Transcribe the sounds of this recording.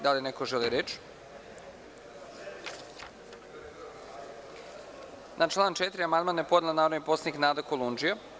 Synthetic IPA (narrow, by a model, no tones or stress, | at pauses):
d̪alenekoʒeliɾet͡ʃ | nʔat͡ʃlˠaːnt͡ʃet̪ɾiamand̪manepod̪elanaːɾonipo̞saniknaːd̪akolˠund͡ʒija